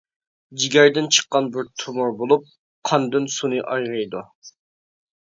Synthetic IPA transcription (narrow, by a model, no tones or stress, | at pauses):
d͡ʒiɡʲɛɾd̪ɪnt͡ʃʰə̥qːɑnbɪɾt̪ʰumʊɾbolˠup̚ | qʰɑnd̪ɨnsunɨʔɑjʁɨjd̪u